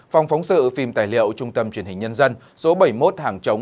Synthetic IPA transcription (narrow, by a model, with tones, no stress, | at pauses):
fa˨˧wŋ͡mfa˨˦wŋ͡msɨ̰˧˨fi˧mt̪aː˨˩jlḭ˧˨əwt͡ɕʊ˧ŋ͡mt̪ə˧mt͡ɕwi˧˩ənhŋ̟ɲə˧nzə˧n | so˨˦ɓə˧˩jmo˦˥t̚haː˨˩ŋt͡ɕə˨˦ŋ͡m